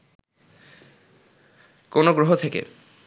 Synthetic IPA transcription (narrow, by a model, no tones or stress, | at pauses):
konoɡɾoɦot̪ʰekḛ